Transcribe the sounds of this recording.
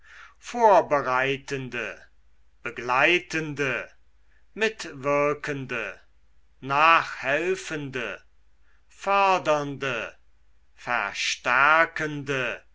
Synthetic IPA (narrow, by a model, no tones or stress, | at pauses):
foːɐbəʁaɪtəndə | b̥əɡlaɪtəndə | mɪtv̥ɪɐkʰəndə | naːχhɛlfəndə | fœɐdɐndə | fɛ̰ɐʃtæʁkəndə